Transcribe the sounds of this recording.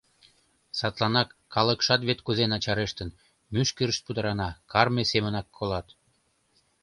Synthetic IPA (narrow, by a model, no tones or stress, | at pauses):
sɑt̪lɑnɑkːɑləkʃɑt̪βet̪kuzenɑt͡ɕɑɾeʃt̪ən | myʃkəɾəʃt̪̚pud̪əɾɑnɑkɑrmesemənɑkʰːolɑt̪